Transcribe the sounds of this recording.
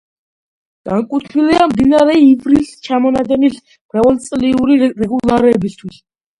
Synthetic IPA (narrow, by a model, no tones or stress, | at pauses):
ɡ̥aŋkʼut̪ʰwiliamd̪inaɾɛivɾilst͡ʃʰamɔnad̪ɛnis | m̥ɾavalt̪t͡s̪ʼliuɾiɾɛɡulaɾɛbist̪ʰwis